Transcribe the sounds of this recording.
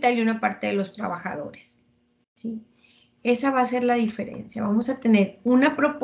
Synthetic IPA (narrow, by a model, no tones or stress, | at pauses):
t̪aljunapaɾt̪e̞ðelo̞st̪ɾa̰βaxa̰ðo̞̰ɾe̥s | si | e̞saβaːse̞ɾlaðife̞ɾe̞̰nsja̰βamosat̪e̞ne̞ɾunapɾo̞p